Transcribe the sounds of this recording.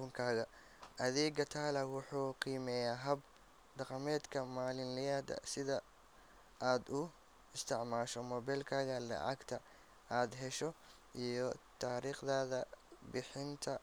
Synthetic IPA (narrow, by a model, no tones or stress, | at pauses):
ʊŋkʰaːɣɐ | ʔɐðɛːɡɐt̪ʰaːlɐwʊħuːqiːmɛːjaːɦɐb | d̪ɑqɑmɛːd̪kʰɐmaːlɪnlɪjaːd̪ɐ̰sɪðɐ | ʔaːd̪ʊ | ɪst̪ʰɪʕmaːʃɔmɔːβɛlkʰaːɣɐlɐ̰ʕɑɡt̪ʰɐ | ʔaːd̪ɦɛʃɔ | ʔijɞt̪ʰaːɾiːχðaːðɐbɪħɪnt̪ʰɐ